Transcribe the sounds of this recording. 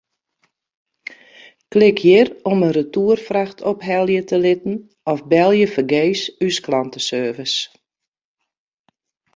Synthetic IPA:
klɪkʰjɪrɔmənrətuərfraxtʰɔpɦɛlˠjətəlɪtn̩ | ɔfbɛlˠjəfərɡeːsysklantəsøːrvəs

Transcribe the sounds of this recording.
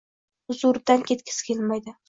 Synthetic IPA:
ʊzʊɾd̪ankʲʰe̞t̪̚kʲʰɪ̥skʲʰelmajd̪ɪ

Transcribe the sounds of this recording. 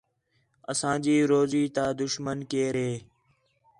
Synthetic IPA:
əsãːd͡ʒiːɾoːziːt̪aːd̪ʊʃmənkeːɾeː

